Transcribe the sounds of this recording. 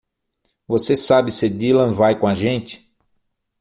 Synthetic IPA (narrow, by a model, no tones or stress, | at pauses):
vosesabɪsɪd̪ilɐ̃vajkõɐʒẽnt͡ʃɪ̥